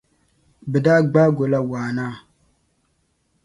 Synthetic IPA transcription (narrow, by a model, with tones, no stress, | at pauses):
bɨ˨da˦ɡ͡baː˦ɡo˨la˦waː˨naː˦˨